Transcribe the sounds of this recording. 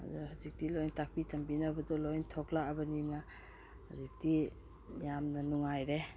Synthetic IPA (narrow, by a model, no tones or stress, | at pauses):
a̰zaɾhazik̚tilojntak̚pitɐmbinɐbɐdɔlojntʰɔklaɐbɐnina | hazik̚ti | jamnɐnuŋajɾe